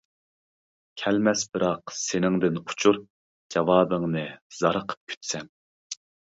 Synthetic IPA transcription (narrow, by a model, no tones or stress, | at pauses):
kʲʰɛlmɛsbɨɾɑqsenɪŋd̪ɪnu̥t͡ʃʰuɾ | d͡ʒɑwɑːbəŋnɨz̥ɑɾəqʰə̥p̚kʲʰy̥t̪sɛm